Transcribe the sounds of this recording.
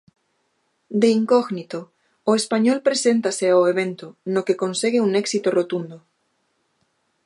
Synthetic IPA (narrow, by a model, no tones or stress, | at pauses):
d̪eiŋkoɣnit̪o | oespaɲolpɾesent̪aseaoeβ̞ẽnt̪onokeko̞nsiɣ̞euneksit̪orot̪und̪o